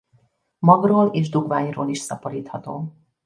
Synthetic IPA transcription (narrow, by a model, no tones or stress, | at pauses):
mɒɡroːleːʒd̪uɡvaːɲroːliʃsɒpoɾiːt̪hɒt̪oː